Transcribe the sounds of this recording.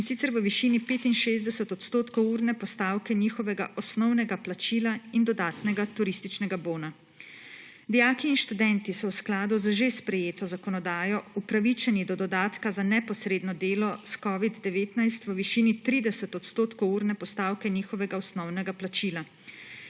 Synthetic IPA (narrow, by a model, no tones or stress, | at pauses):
insit̪sɛɾʋəʋiʃiːnipeːt̪inʃeːzd̪ɛsət̪ɔt̪st̪oːt̪kowuːɾnɛpɔst̪aːwkɛniːxɔʋɛɡa̰ʔɔsnɔwnɛɡaplat͡ʃiːlaind̪ɔd̪aːt̪nɛɡat̪uɾist̪it͡ʃnɛɡaboːna | d̪ijaːkiːnʃt̪ud̪ɛnt̪isɔwsklaːd̪uzəʒespɾɛjeːt̪ɔzakɔnɔd̪aːjɔupɾaʋit͡ʃɛnid̪ɔd̪ɔd̪aːt̪kazanɛpɔsɾeːd̪nɔd̪eːlɔskɔːʋid̪d̪ɛʋeːt̪najst̪ʋəʋiʃiːnit̪ɾiːd̪ɛsət̪ɔt̪st̪oːt̪kouːɾnɛpɔst̪aːwkɛniːxɔʋɛɡaɔsnɔwnɛɡaplat͡ʃiːla